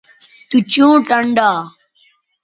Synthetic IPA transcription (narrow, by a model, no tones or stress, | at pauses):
t̪ut͡ɕũːʈəɳɖaː